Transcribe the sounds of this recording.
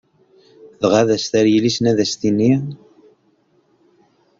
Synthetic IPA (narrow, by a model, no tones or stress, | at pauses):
ðʁaðæst̪æɾjəlisnæðæst̪ini